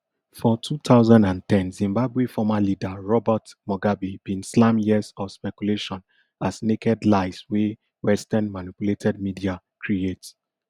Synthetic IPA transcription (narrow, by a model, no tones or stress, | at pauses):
fɔtʰut̪ʰaʊzãndãntɛ̃nzĩmbabwefɔmalidaɹɔbatmɔɡabib̥ĩnslãmjiəzɔfspɛkuleʃɔ̃n | asnekʰɛdlaɪswe | wɛstãnmanipuletʰɛd̚midia | kʰɹiets